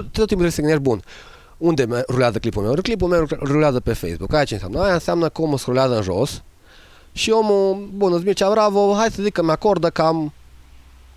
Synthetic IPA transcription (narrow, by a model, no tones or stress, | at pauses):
t̪et̪ot̪imput̪ɾeseɡənebun | und̪emeɾuleazəklipulmewɾklip̬umewɾuleazəpefḛjsbukajat͡ʃensa̰mnəajaɨnseamnəkəomusɾuleazəɨnʒo̰s | ʃiomubunɨzmit͡ʃavɾavoɦajsəzikːəmeakord̪əkam